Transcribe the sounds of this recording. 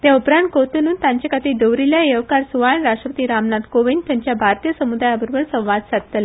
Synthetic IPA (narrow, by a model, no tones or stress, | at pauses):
t̪jaupɾãnt̪̚kot̪unuːnt̪jãɲt͡ɕakat̪id̪əʋɾiljaeʋkaɾsuʋajəɳɾasʂʈɾəpət̪iːɾamnat̪koʋind̪t̪jaɲt͡ɕjabʱaɾt̪ijəsəmud̪ajəbəɾbəɭsə̃w̃ʋad̪sat̪t̪əle